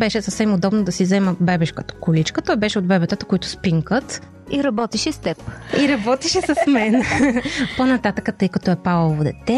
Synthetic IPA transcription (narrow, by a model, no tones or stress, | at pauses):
bɛʃɛsɐfsɛmod̪ɔbnod̪ɐsizɛməbɛbɛʃkə̥t̪ə̥kʊlit͡ʃkət̪ɔjbɛʃɛod̪bɛbɛt̪ət̪əkoit̪ʊ̥spiŋkət̪ | iɾɐbɔt̪iʃɛst̪ɛpiɾɐbɔt̪iʃɛsɐsmɛn | ponɐt̪at̪əkət̪ɤjkɐt̪ɔɛpavvod̪ɛ̰t̪ɛ